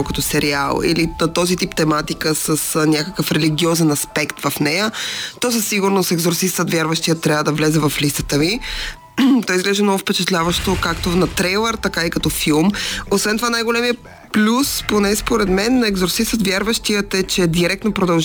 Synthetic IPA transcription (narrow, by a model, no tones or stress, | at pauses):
kɐt̪ɔsɛɾia̰lˠḭlinɐt̪ɔzit̪ipt̪ɛmat̪ikəsəsnʲakəkəfɾɛliɡʲiɔzɛnɐspɛkt̪vɐfnɛjət̪ɔs̬əsːiɡuɾnosɛɡzoɾsist̪ət̪vʲjaɾvəʃt̪ijət̪ːɾʲavəd̪ɐvlɛzɛvɐflist̪ə̥t̪əvi | t̪ɔizɡlɛʒɛmnɔɡʊfpɛt͡ʃɛt̪lʲavəʃt̪okakt̪onɐt̪ɾɛjlˠɛɾt̪ɐkaikɐt̪ɔfilˠmosvɛnt̪ovanajɡolɛmiə | plʲusponɛspoɾɛd̪mɛnːɛɡzoɾsist̪ət̪vʲjaɾvəʃt̪ijət̪ɛt͡ʃɛd̪iɾɛkt̪nopɾod̪ɐlˠʒ